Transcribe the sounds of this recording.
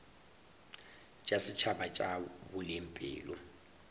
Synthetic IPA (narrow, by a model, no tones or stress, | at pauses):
t͡ʃʼasɪt͡ʃʰabat͡ʃʼabʊlɪmpʼɪ̰ːlɔ